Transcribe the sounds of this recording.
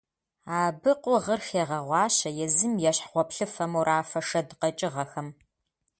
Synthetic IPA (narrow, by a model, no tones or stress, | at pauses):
aːbɨqʷʼʊʁərxeːʁɐʁʷɑːɕɐjɛzɨmjɛɕħʁʷɔpɬɨfɐmuɾaːfɐʂɐdqɐt͡ʃʼɪʁɐxɐm